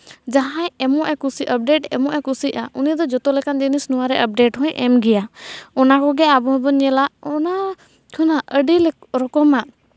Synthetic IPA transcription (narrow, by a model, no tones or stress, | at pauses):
d͡ʒaɦãjɛmɔʔɛkusiʔəp̚ɖeʈɛ̰mɔʔɛkusiʔaʔunid̪ɔd͡ʒɔt̪ɔlɛkand͡ʒinisnuwaɾɛʔəp̚ɖeʈhɔ̃jʔɛ̰mɡɛjaɔnakɔɡɛabɔɦbənɛlaʔɔna | kʰɔnaʔəɖilɛɾɔkɔmaʔ